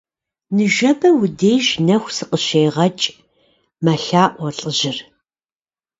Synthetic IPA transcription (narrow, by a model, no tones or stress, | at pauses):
nɨʒɐbɐwʊdejʒnɐxʷsɨqəʃejʁɐt͡ʃʼ | mɐɬaːʔʷɔɬʼəʑɪr